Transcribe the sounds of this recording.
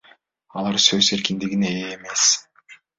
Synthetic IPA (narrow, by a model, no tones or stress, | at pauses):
ɑlˠɑɾsø̞ze̞ɾkind̪iɡine̞eːme̞s